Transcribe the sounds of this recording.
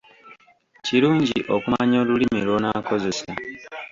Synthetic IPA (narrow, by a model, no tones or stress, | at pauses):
ciɾuːɲɟ̰ḭʔokumaɲo̞ːlulimilwonako̞zese